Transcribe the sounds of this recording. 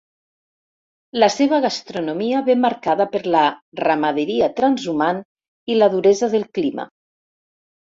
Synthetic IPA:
ləseβ̞əɣast̪ɾunomiəβemaɾkaðəpəɾləramaðeɾiat̪ɾanzuman | iləðuɾezəðəlˠklima̰

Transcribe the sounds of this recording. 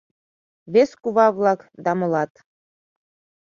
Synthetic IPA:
βeskuβɑβlɑkd̪ɑmɤ̆lɑt̪

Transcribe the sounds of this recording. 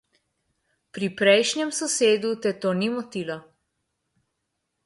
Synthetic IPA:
pɾipɾɛjʃnʲjɛmsɔseːd̪ut̪ɛt̪oːnimɔt̪ilɔ

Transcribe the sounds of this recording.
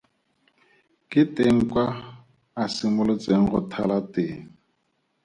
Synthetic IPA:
kʼɪteŋ̩kwaː | simʊlʊt͡sʼeŋ̩χʊ̰tʰa̰latɪ

